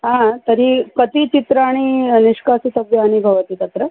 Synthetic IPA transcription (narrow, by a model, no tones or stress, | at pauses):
ɦãt̪əɾikət̪it͡ʃit̪ɾəaɽ̃iniʂkasisɐbjɐɐnibʱɐʋət̪it̪ɐt̪ɾə